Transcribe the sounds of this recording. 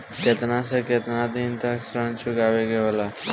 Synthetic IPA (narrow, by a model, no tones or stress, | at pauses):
ket̪nãsəket̪nad̪int̪aksɾəɳt͡ɕuɡaʋeɡeʋla